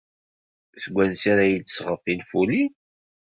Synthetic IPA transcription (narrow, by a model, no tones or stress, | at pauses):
səɡʷːænsaɾæjədsʁəfinfuli